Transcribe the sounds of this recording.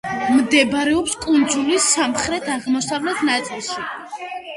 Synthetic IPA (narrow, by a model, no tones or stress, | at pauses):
md̪ɛbɾɛɔpskʼund̪zulisːamχɾɛt̪ʰaʁmɔsavlɛt̪ʰnat̪sʼilˠʃi